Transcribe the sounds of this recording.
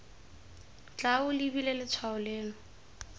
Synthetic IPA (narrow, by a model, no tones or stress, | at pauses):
t͡ɬaʊlibilelɪt͡sʰwaʊleːlɔ